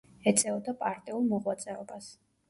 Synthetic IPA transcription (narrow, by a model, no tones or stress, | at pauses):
ɛt̪sʼɛɔd̪apʼaɾt̪ʼiulˠmɔʁwat̪sʼɛɔbas